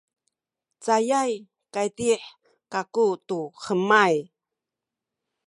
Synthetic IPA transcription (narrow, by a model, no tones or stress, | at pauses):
t͡sajaj | kajtiħ | kakutuχəmaj